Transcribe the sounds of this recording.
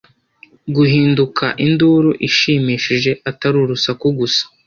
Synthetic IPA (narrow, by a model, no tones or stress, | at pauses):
ɡuɦiːndukʰaʔinduɾuʔiʃiːmiːʃiʒe̞ʔataɾuɾusakuɡusḁ